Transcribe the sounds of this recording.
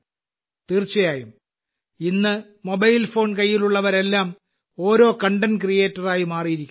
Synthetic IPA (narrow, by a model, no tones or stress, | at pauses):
t̪iːrt͡ɕːɐjaːjum | inːɨ | mo̞bɐjlfo̞ːnkɐjːiluɭːɐʋɐɾe̞lːaːm | o̞ːɾo̞ːkɐɳɖɐnkrije̞ːtːɐraːjimaːrijiɾikʲː